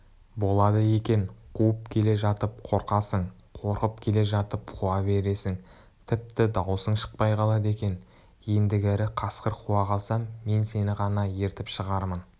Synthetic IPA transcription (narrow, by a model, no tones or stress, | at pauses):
bo̞lˠɑd̪əje̞kʲe̞ɴqʰuəp̚kʲʰe̞le̞ʒɑt̪əp̚qʰo̞ɾqɑsəɴ | qʰo̞ɾqəp̚kʲʰe̞le̞ʒɑt̪əp̚qʰuɑbe̞ɾe̞sɪŋ | t̪ʰɪp̚t̪ɪd̪ɑwsəɴʃə̥q̚pɑjqʰɑlˠɑd̪e̞kʲe̞n | je̞nd̪ɪɡʲɪɾɪqʰɑsqəɾqʰuɑqʰɑlˠsɑmːe̞nse̞nɪʁɑnɑje̞ɾt̪ɪpʃəʁɑɾmən